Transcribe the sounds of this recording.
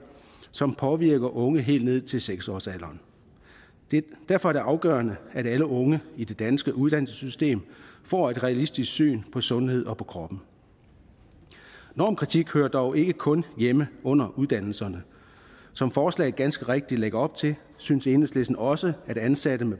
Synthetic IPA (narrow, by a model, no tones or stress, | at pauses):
sɒ̽mpʰɒ̽ʋiɐɡ̥ɐʔɔ̽ŋəɦe̝̰ːld̥ne̝ð̰ˠt͡sʰe̝lseɡ̥sɒ̰ːsælɐːn̥ | d̥æɐfɒ̽æɐ̥e̝ʔɑ̈ʊɡ̥ɶːɐnəæɾ̥æləʔɔ̽ŋəid̥e̝d̥ænsɡ̥əʔuðˠd̥ænl̩sə̥sysd̥e̝̰ːmfɒ̰ːe̝d̥ʁɛælisd̥isɡ̥sy̰ːnpʰɒ̽sɔ̽nhe̝ð̞̰ˠɒ̽pʰɒ̽kʰʁɒ̽b̥n̩ | nɒ̰ːmkʰʁit͡sʰiɡ̥høːɐd̥ɒʊʔe̝ɡ̥əkʰɔ̽njeməɔ̽n̰ɐʔuð̞ˠd̥æn̰l̩sɐnə | sɒ̽mfɒːslɛ̰ɪɡ̥ænsɡ̥əʁeɡ̥̚d̥id̥leɡ̥ɐɒ̽b̥̚t͡sʰe̝l | synse̝nð̩sle̝sn̩ɒ̽səæɾ̥ænsæɾ̥əme